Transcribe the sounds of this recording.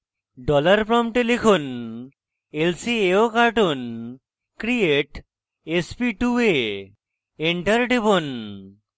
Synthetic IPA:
ɖɔlaɾpɾɔmʈelikʰon | elsieokaɾʈon | kɾieʈ | espiʈue | eɳʈɐɾɖibon

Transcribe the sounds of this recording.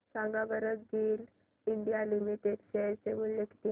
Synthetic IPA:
sãŋɡabəɾək̪̚ɡeːl | iɳɖijalimiʈed̪ɕeɾt͡seulːeki̥t̪i

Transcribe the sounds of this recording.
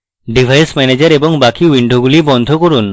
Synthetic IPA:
ɖibʱajsmɛned͡ʑaɾebɔŋbakiwiɳɖʱoɡulibɔnd̪ʱokoɾun

